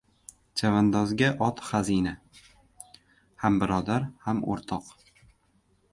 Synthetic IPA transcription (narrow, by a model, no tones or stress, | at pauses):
t͡ʃʰavand̪ɒzɡʲaʔɒt̪χazina | hambɪɾɒd̪aɾhamʔo̰ɾt̪ʰɒq